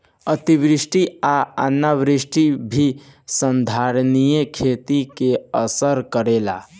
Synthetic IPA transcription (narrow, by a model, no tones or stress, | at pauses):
ət̪ibɾisʈiaə̰nːaʋɾisʈibʱisənd̪ʱaɾnijekʰet̪ikeəsəɾkəɾela̰